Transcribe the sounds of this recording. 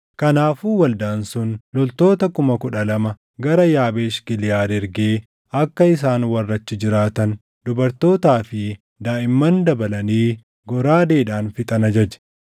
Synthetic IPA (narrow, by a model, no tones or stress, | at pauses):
kɐnaːfuːwɐld̪aːnsʊnlɔlt̪o̞ːt̪ɐkʊmɐkʊᶑɐlɐmɐ | ɡɐɾɐjaːbeːʃɡɪlɪjaːd̪ɛɾɡeː | ɐkːɐɪs̬aːnwɐrːɐt͡ʃːɪd͡ʒɪɾaːt̪ɐn | d̪ʊbɐɾt̪o̞ːt̪aːfɪ | d̪aːʔɪmːɐnd̪ɐbɐlɐniː | ɡɔɾaːd̪e̞ːᶑaːnfɪt̪ʼɐnɐd͡ʒɐd͡ʒɛ̥